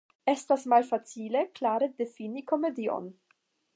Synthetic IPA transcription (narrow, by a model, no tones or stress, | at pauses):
e̞stasmalfat͡sile̞klaɾe̞de̞finiko̞me̞dio̰n